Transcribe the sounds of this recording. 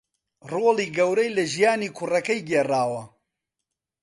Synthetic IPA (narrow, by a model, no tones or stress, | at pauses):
roːliːɡɐwɾɐjlɐʒijaːniːkʰʊrɐkɐjɡeːraːwɐ